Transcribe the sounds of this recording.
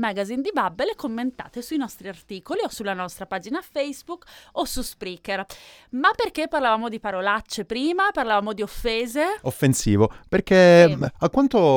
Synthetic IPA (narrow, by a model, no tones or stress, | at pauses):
maɡazind̪ibabːelekomːent̪a̰ːt̪esuinɔst̪ɾiart̪iːkoliosulanɔst̪ɾapaːd͡ʒinafɛjzbukːosuspɾikermapːerkepːarlavaːmod̪ipaɾolat͡ʃːepɾiːmaparlavaːmod̪iofːeːzeofːensiːvoperkeakːwant̪o